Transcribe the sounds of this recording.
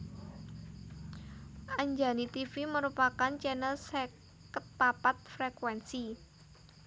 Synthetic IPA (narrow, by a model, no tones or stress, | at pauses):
ʔaɲd͡ʒa̤nit̪ifiməɾupakant͡ʃɛnəlsɛ | kət̪̚papat̪̚fɾekwɛnsi